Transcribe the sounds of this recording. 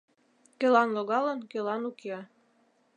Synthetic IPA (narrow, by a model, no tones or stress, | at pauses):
kølɑnloɣɑlənkølɑnukeɑ